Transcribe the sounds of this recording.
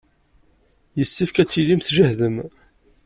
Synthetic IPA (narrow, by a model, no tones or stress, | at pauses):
jəsːifkæt͡sːilimθʒəhðəm